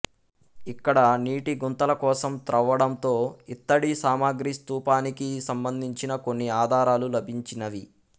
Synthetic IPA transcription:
ikːɐɽɐniːʈiɡunt̪ɐlɐkɔːsɐmt̪ɾɐʋːɐɽɐnt̪o̞ːit̪ːɐɽisaːmaːɡɾist̪uːpaːnikisɐmbɐnd̪ʱiɲt͡ʃinɐkonːiaːd̪ʱaːɾaːlulɐbʱiɲt͡ʃinɐʋi

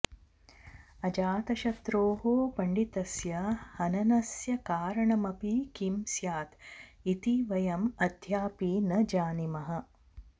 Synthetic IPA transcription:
ɐd͡ʒaːt̪ɐʃɐt̪ɾoːɦoːpɐɳɖit̪ɐsjɐhɐnɐnɐsjɐkaːɾɐɳɐmɐpikimsjaːt̪it̪iʋɐjɐmɐd̪ʱjaːpiːnɐd͡ʒaːnimɐɦɐ

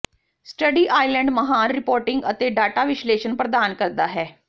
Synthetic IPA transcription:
sʈəɖiːʔaːilɛ̃ɳɖməɦaːnɾɪpoːɾʈɪŋɡə̰t̪eːɖaːʈaːʋɪʃleːʃənpɾəd̪aːnkəɾd̪aːɦɛː

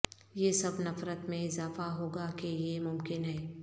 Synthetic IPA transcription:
jeːsɐbnɐfɾət̪mẽɪzaːfaɦoːɡakejemʊmkɪnɦɛː

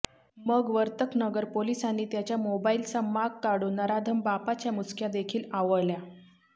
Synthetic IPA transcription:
məɡʋəɾt̪əknəɡəɾpolisanːiːt̪jat͡ɕjamobailsamaɡ̚kaɽunəɾad̪ʱəmbapat͡ɕjamut͡skʰjad̪ekʰiːlaʋəɭlja

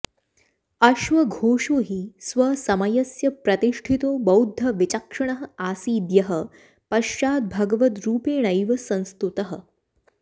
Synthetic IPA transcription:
ɐʃʋɐɡʱoːʂoɦiːsʋɐsɐmɐjɐsjɐpɾɐt̪iʂʈʰit̪oːbɐwd̪ʱːɐʋit͡ɕakʂɐɳ̃ɐɦə̆aːsiːd̪jɐɦə | pɐʃaːd̪̚bʱɐɡʋɐt̪ɾuːpeːnɐjʋɐsɐ̃ñst̪ut̪ɐɦə̆

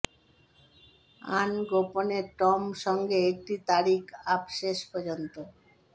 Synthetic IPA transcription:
anɡoponeɾʈɔmʃɔŋɡeek̚ʈit̪aɾikabʃeʃpɔd͡ʑont̪o

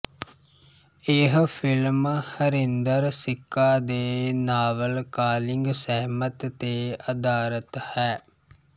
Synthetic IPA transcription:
eːɦəfilmhəɾind̪əɾsikːaːd̪eːnaːʋəlkaːliŋɡsɛɦmət̪t̪eːɐd̪aːɾət̪hɛː

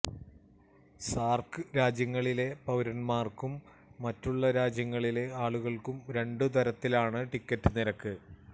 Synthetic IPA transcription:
saːrkɨɾaːd͡ʑjɐŋːɐɭile̞pɐwɾɐnmaːrkumː | ɐtːuɭːɐɾaːd͡ʑjɐŋːɐɭile̞aːɭuɣɐɭkumɾe̞ɳɖɨt̪̬ɐɾɐt̪ːilaːɳɨʈikːɐtːɨniɾɐkːɨ

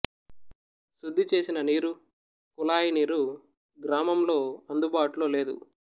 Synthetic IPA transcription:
sud̪ʱːit͡ʃe̞ːsinɐniːɾu | kulaːjiniːɾu | ɡɾaːmɐmlo̞ːɐnd̪ubaːʈulo̞ːle̞ːd̪ṵ

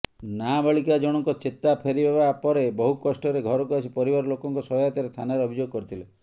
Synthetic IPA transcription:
nabaɭikad͡ʒɔɽ̃ɔŋkɔt͡ʃet̪apʰeɾibebapɔɾebɔɦukɔsʈɔɾeɡʱɔɾɔkuasʰipɔɾibaɾɔlokɔŋkɔsɔɦɔjat̪jaɾest̪ʰanaɾɔbʱid͡ʒoɡɔkɔɾit̪ʰile

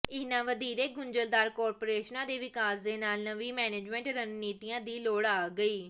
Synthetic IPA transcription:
ɪnãːʋəd̪iːɾeːɡʊɲd͡ʒəld̪aːɾkɔːɾpoːɾeːʃnãːd̪eːʋɪkaːsd̪eːnaːlnəʋiːmɛːneːd͡ʒmɛ̃ːɳʈɾənniːt̪ijãːd̪iːloːɽaːɡəiː

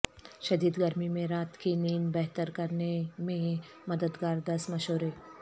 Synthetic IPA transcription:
ʃɐd̪iːd̪ɡɐɾmimẽɾaːt̪kiniːnbɛɦt̪əɾkɐɾnemẽ | mɐd̪əd̪ɡaːɾd̪ɐsmɐʃoːɾeː

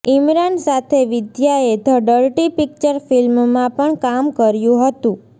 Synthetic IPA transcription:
imɾansat̪ʰeʋɪd̪ʱjaet̪ʰəɖəɾʈipik̚t͡ʃəɾfilmmãpəɳkamkəɾjũɦət̪ũ

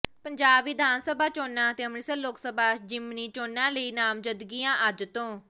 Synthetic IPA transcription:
pəɲd͡ʒaːbʋɪd̪ʱaːnsəbʱaːt͡ʃoːnãːt̪eːəmniːsəloːksəbaːd͡ʒɪmniːt͡ʃoːnãːləiːnaːmd͡ʒənd̪ɡiːãːʔəd͡ʒt̪õː

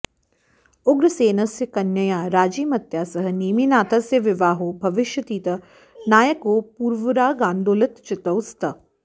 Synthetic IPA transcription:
ʊɡɾɐseːnɐsjɐkɐnjɐjaːɾaːd͡ʒiːmɐt̪jaːsɐɦɐ̆niːminaːt̪ʰɐsjɐʋɪʋaːɦoːbʱɐʋɪʃjɐt̪iːt̪ɐ | naːjɐkoːpuːɾʋɐɾaːɡaːnd̪oːlɐt̪t͡ʃɪt̪ɐwst̪ɐ

